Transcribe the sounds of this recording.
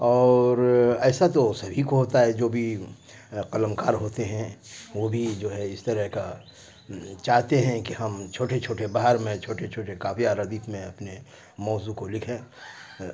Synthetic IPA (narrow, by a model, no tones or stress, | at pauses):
ɔːɾɛːsat̪osɐbʱikoɦoːt̪aɦɛd͡ʒoːbʱi | qɐləmkaːɾɦoːt̪eɦɛ̃ʋobʱid͡ʒoːɦɛɪst̪ɐɾəɦka | t͡ʃaːɦt̪eɦɛ̃kihɐmt͡ʃʰoːʈet͡ʃʰoːʈebaːɦəɾmẽt͡ʃʰoːʈet͡ʃʰoːʈekaːfiaːɾad̪iːfmẽɐpne | mɔːzukolɪkʰẽː